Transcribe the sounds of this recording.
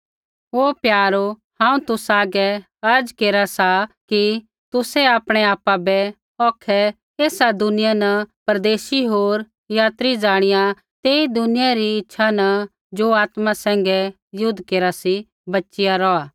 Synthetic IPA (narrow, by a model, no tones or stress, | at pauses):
ɦoːpjaːɾo | hãːũt̪ʊsaːɡɛ | ɐɾd͡ʒkeːɾasaki | t̪ʊsɛaːpɽ̃ɛaːpabɛ | ɔːkʰɛ | eːsad̪ʊnɪjanɐpɐɾd̪eːʃiɦoːɾ | jaːt̪ɾid͡ʒaːɽ̃ɪjã | t̪eːid̪ʊnɪjaɾiɪtːʃʰanɐ | d͡ʒoaːt̪masɛ̃ːŋɡɛ | jʊd̪ʱːkeːɾasi | bɐtːʃɪjaɾɔaː